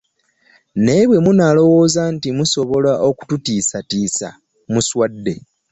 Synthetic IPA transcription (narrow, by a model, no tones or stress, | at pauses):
ne̞βwe̞munalo̞wo̞ːzantimuso̞βo̞laʔo̞ku̥tutiːsatiːsa̰ | muswadːe̞̰